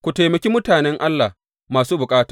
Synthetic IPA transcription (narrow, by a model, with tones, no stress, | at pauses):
kʷu˨ta˨jmɐ˨kʲi˦mʊ˦taː˨nɛ˦ŋʔa˦lːa̰˨ | maː˨suː˦bʊ˨kʼaː˦tḁː˨